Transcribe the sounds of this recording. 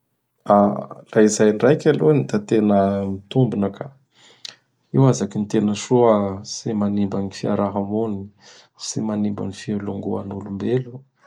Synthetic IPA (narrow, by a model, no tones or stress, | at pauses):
araizajɳɖ͡ʐajkʲalonid̪at̪enəmit̪umbunaka | iwazakint̪enəʃuasimanimbanifiaɾaɦamuni | simanimba̰nifialuŋɡua̰nulumbelu